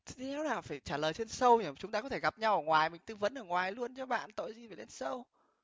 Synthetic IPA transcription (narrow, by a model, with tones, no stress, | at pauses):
t̪ʰɛ˨˦wnaː˨˩faː˧˩jt͡ɕaː˧˩ləː˨˩jt͡ɕe˧nsə˧wɲə˨˩t͡ɕʊ˨˦ŋ͡mt̪aː˧kɔ˨˦t̪ʰe˧˩ɣa˨˩p̚ɲa˧wʔəː˨˩ŋwaː˨˩jmï˨˩ŋ̟t̪ɨ˧˦və̰˧˥nʔəː˨˩ŋwaː˨˩jlu˧ənt͡ɕɔ˧ɓa̰ː˧˨nt̪o̰˧˨jzi˨˩faː˨˩le˧˦nsə˧w